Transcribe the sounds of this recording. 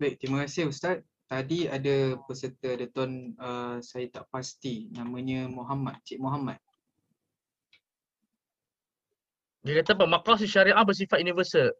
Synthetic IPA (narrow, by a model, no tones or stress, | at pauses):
baj̚t̪iməkasɪust̪at̪̚ | t̪ːadiadapəsərt̪əadat̪ɔnəsajat̪aʔpast̪inamãɲəmoɦamat̪̚t͡ʃiʔmɔɦamat̪̚ | d͡ʒikat̪əp̬amakɾas̬iʃaɾiʔaʔbəs̬ifat̪̚junivəsəl